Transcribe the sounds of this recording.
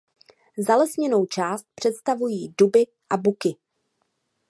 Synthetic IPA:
zalɛsɲɛnowt͡ʃaːst̪̚pr̝̥ɛt̪st̪avujiːdubɪ | ʔabukɪ

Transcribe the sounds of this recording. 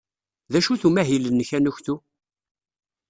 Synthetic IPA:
ðæʃuθumæɦilənːəçænuçθu

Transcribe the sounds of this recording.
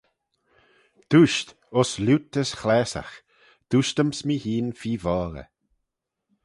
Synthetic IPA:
d̪̥uʃt̪ | ɔslut̪əsxlɛːsa̰x | d̪̥uʃt̪əmsmihiːnfiːvɔːɾə̰

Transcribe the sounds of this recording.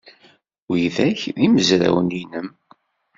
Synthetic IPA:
wijðæçðiməzɾæ̰wəninəm

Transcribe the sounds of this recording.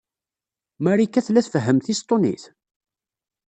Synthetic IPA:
mæɾikːæθlæθfəɦːəmθist̪ˤːonḭθ

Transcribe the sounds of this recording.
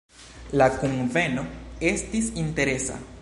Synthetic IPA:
lakunve̞no̞e̞stisinte̞ɾe̞sa̰

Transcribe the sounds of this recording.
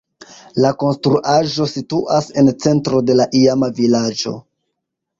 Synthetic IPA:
lako̞nstɾuʔaʒo̞situʔase̞nt͡se̞ntɾo̞de̞laʔiamavilad͡ʒo̞̰

